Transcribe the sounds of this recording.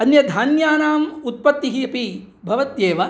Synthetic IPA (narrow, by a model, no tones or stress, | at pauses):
ɐnjɐd̪ʱaːnjaːnaːmut̪̚pɐt̪ːiɦiɐpi | bʱɐʋɐt̪jeːʋɐ